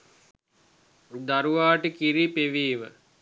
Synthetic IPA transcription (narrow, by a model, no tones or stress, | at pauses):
d̪aɾuʋaːʈikiɾipeʋiːʋə